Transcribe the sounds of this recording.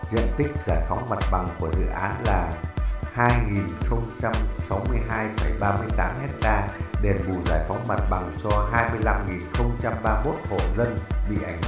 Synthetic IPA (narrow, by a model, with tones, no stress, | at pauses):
zḭ˧˨ənt̪ï˦˥k̟̚zaː˧˩jfa˨˦wŋ͡mma˨˩t̚ɓa˨˩ŋku˧˩əzɨ̰˧˨ʔaː˨˦nlaː˨˩haː˧jŋi˨˩nxə˧wŋ͡mt͡ɕa˧msa˨˦wmɨ˧əjɦaː˧jfə˧˩jɓaː˧mɨ˧əjt̪aː˨˦mhɛ˦˥k̚t̪aː˧ɗe˨˩ɓu˧˩zaː˧˩jfɔ˨˦wŋ͡mma˨˩t̚ɓa˨˩ŋt͡ɕɔ˧ɦaː˧jmɨ˧əjla˧mŋi˨˩nxə˧wŋ͡mt͡ɕa˧mɓaː˧mo˦˥t̚ho̰˧˨zə˧nɓḭ˧˨ʔa˧˩ŋ̟